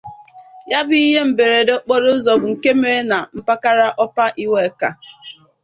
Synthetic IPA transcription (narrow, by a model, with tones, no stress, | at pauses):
ja˦bʊ˦i˦ɦe˦m̩˨be˨ɾe˨dɔ˦k͡pɔ˦ɾʊ˦ʊ˦zɔ˨bʊ˨ŋ̩˨ke˦me˦na˨m̩˦pa˦ka˦ɾa˦ʔɔ˦pa˦ʔi˦we˦ka˨